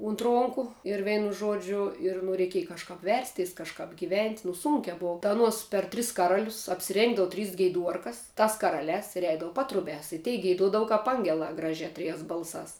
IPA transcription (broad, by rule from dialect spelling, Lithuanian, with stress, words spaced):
ʊnt ˈroːŋkʊ ɪr ˈʋʲɛɪnʊ ˈʒuɔd͡ʒʲʊ ɪr nʊ rʲɛɪˈkʲiɛjɛ kɐʃˈkɐp ˈʋʲɛrʲsʲˌtʲɛɪs kɐʃˈkɐp ɡʲɪˈʋʲɛnʲtʲ nʊ ˈsuːŋʲkʲɛ ˈboːʋɐ tɐ ɐˈnuɔs pʲɛr ˈtʲrʲɪs kɐˈrɑːlʲʊs ɐpʲsʲɪˈrʲeːŋɡdɐʋʊ ˈtʲrʲiːs ɡʲɛɪˈduɔrkɐs ˈtɐs kɐˈrɑːlʲɛːs ɪr ˈɛɪdɐʋʊ ˈpɑːtrʊbʲæːs ɪ tʲɛɪ ɡʲɛɪˈduɔdɐʋɐ ˈkɐp ˈɐŋʲɡʲɛlˠɑː ˈɡrɑːʒʲɛː ˈtʲrʲɪjɛːs ˈbɐlˠsɑːs